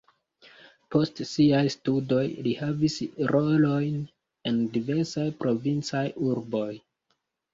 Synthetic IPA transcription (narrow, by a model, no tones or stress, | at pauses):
po̞stsiajstudo̞jlihavisɾʔo̞lo̞jn | e̞ndive̞ɾsajpɾʔo̞vint͡sajuɾbo̞j